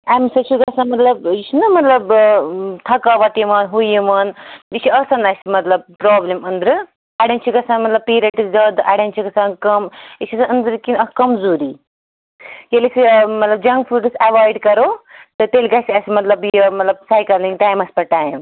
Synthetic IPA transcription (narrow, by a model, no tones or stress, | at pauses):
ɐmsɐt͡ʃʰuɡɐsãnmɐt̪lɐb̚it͡ʃʰinɐmɐt̪lɐb | t̪ʰɐkaʋɐʈjimɐnɦujimɐnit͡ʃʰiɐsɐnɐsʲimɐt̪lɐb̚pɾoːblimɐnd̪ɾɨ | ɐɽʲɐnt͡ʃʰiɡɐsaːnmɐt̪lɐb̚piːɾɐʈisɡɐd̪ʔɐ̰ɽɐnt͡ʃʰikɐsãnkɐmit͡ʃʰɐsɐnɐnd̪ɾɨkinɐkɐmzuːɾiː | jelisʲimɐt̪lɐb̚d͡ʒɐŋɡfʰuɖɨsɐʋaːjɖkɐɾoːt̪ɨt̪elʲɡɐsʲiɐsʲimɐt̪lɐbjɐmɐt̪lɐb̚saːjkɐliŋɡʈaːjmɐspɐʈaːim